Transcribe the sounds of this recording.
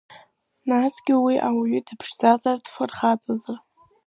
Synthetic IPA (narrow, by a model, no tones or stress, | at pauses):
nasɡ̥ʲɪwiʔawaɥʏdɨpʰʂd͡zazardfɨrχat͡sʼazɨr